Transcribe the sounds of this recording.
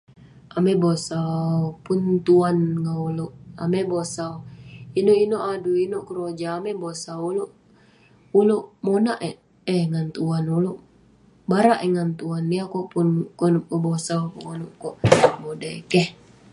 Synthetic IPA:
amɛbosapunt̪uanŋauluʔamɛbosauinoinoʔaduinoʔkəɾod͡ʒaːmɛbosauloʔ | uluʔmonaʔɛ | ɛŋant̪uanuluʔ | baɾaʔɛŋant̪uanːiakɔʔpunkɔnup̚kɔbosakɔkɔnup̚kɔʔbodakɛh

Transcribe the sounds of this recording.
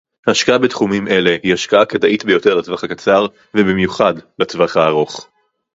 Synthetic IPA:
haʃkaabetχumime̞le̞hihaʃkaʔakadaʔitbejo̞teʁlat̪vaχakat͡saʁ | vebimjuχadlat͡svaχaːʁo̞χ

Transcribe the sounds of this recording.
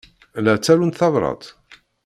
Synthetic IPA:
læt͡sːæɾunt̪θɑvɾˤɑ̰d̪ˤ

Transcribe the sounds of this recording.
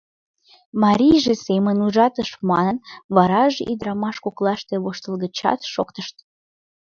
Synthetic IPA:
mɑɾʲijʒesemənuʒɑt̪əʃmɑnənβɑɾɑʒeʔid̪ɾɑmɑʃkoklɑʃt̪eβoʃt̪əlɣət͡ɕɑ̰t̪ʃo̰kt̪əʃt̪

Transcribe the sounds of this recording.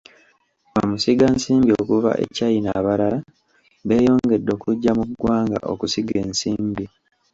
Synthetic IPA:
amusiɡansiːmbio̞kuva̰ʔḛcajinaβaɾala | βe̞ːjo̞ːŋɡe̞dːo̞ːkuɟːamuɡwaːŋɡa̰ʔo̞̰kusiɡe̞ːnsiːmbi

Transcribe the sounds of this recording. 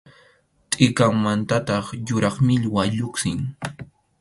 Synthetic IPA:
t̪ʼɪkaŋmant̪at̪ɑχjʊɾɑχmɪʎwaʎʊksɪŋ

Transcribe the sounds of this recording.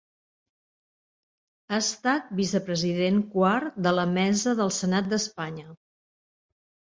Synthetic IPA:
aəst̪at̪̚bisəpɾəziðeŋkward̪ələmɛzəðəlˠsənat̪̚d̪əspaɲə

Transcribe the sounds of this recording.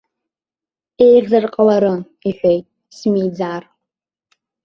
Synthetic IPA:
ejʁzɨrqʼwaɾɨ | iħʷᶣejtʼ | smiːd͡zaːr

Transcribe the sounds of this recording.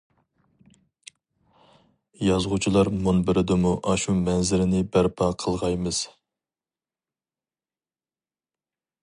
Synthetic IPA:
jɑzʁut͡ʃʰilˠɑɾmunbɪɾɪd̪ɪmuʔɑʃumɛnzɪɾɪnɪbæɾpʰɑqʰəlˠʁɑjmɨz̥

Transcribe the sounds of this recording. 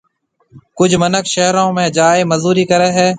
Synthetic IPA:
kʊd͡ʒʱmənəkʃəɦɾõːmẽːd͡ʒaːeːməzuːɾiːkəɾeːɦɛː

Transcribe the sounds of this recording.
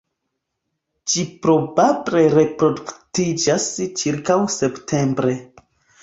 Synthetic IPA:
d͡ʒipɾo̞bable̞ɾe̞pɾo̞duktid͡ʒast͡ʃiɾkawse̞ptʰe̞mbɾe̞

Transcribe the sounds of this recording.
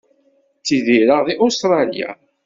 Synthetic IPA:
t͡sːiðiɾəʁðiʔost̪ɾˤɑlja̰

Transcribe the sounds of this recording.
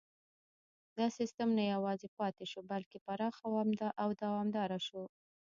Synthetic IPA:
d̪ɑsɪst̪amnajawɑzepɑt̪eʃobalkepaɾɑxawɑmd̪aʔawd̪awɑmd̪ɑɾaʃo

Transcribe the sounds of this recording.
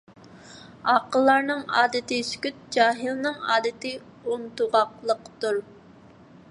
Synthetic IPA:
ɑːqəlˠːɑɾnɨŋɑːd̪ɨt̪ɪskʲyt̪̚d͡ʒɑːɦilnɨŋɑ̰ːd̪ɨt̪ɪ | unt̪uʁɑqlˠəqt̪uɾ

